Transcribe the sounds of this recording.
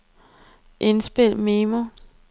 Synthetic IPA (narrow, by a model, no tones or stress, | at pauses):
ʔe̝nsb̥e̝l̰meːmo